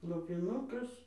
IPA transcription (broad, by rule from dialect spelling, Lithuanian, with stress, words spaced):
lˠoːpʲɪˈnʊkɐs